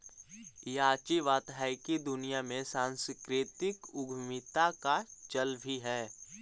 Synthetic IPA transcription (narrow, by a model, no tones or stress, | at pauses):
jaːt͡ʃiʋaːt̪ɦaɪkid̪ʊnijamẽsãːnskɾɪt̪ɪkʊɡʱmɪt̪akat͡ʃəlbʱiɦɛː